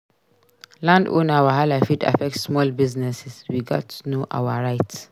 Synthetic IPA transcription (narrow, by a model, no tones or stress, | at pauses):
lãndo̰nawaɦalafida̰fɛk̚tsmɔlbiznɛsɛswiɡɔ̰tʰːunoʔa̰waɹaɪt